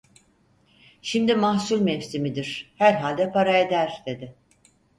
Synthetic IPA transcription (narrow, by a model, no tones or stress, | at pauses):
ʃimd̪imahsulʲmɛfsimid̪iɾ̥hæɾɦalʲd̪ɛpʰaɾae̞d̪æɾ̥d̪̥e̞d̪ɪ